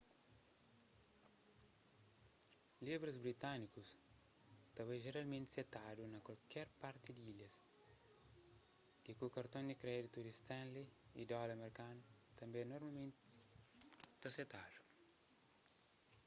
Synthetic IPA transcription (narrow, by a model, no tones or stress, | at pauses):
livɾizbɾit̪anikus | t̪ɐβeʒeɾalmẽnt̪set̪ad̪unɐkwalkɛɾpaɾt̪id̪iljɐs | ikukɐɾt̪õnd̪ikɾɛd̪it̪ud̪ist̪ɛ̃nliid̪ɔlɐmeɾkant̪ɐ̃mbẽnoɾmalmẽnt̪ | t̪aset̪ad̪u̥